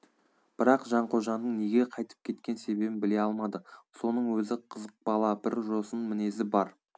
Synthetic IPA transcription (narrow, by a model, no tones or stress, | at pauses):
b̥ɪɾɑqʒɑɴqʰoʒɑnd̪əɴne̞ɡʲe̞qʰɑjt̪ə̥p̚kʲʰe̞t̪kʲe̞nse̞be̞bɪmbɪle̞ɑlˠmɑd̪əso̞nəɴwɵzɪqʰəzəq̚bɑlˠɑbɪɾʒo̞sənmɪne̞zɪbɑɾ